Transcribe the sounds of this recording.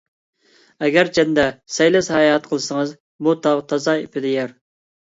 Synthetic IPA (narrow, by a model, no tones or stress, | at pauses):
ɛɡʲæɾt͡ʃʰɛnd̪ɛsɛjlɛshɛjɑt̪̚qʰəlˠɨsəŋəz | but̪ʰɑʁt̪ʰɑzɑepʰɪd̪ɪjæɾ